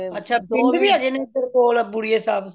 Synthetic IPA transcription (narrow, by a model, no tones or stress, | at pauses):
ətːʃʰaːpɪɳɖbiːaːd͡ʒeːnẽːp̪ɪɾkoːləbʊɽijeːsaːb